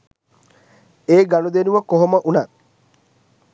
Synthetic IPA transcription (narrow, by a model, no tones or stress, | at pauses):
eːɡanud̪enuʋəkoɦoməʔuna